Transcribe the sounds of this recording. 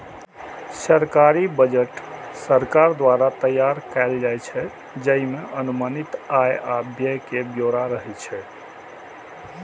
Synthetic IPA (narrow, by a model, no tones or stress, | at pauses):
səɾkaɾibəd͡ʒəʈ | səɾkaɾd̪waɾat̪əjːaɾkaɪld͡ʒajt͡ʃʰɛ | d͡ʒəɦimeʔənumənit̪ajabjəjkebjoɾaɾəɦɛt͡ʃʰɛ